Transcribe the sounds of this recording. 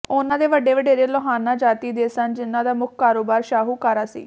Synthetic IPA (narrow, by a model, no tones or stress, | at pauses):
ʊnãːd̪eːʋəɖeːʋəɖeːɾeːloɦaːnãːd͡ʒaːt̪iːd̪eːsənd͡ʒɪnãːd̪aːmʊkʰkaːɾoːbaːɾʃaːɦuːkaːɾaːsḭː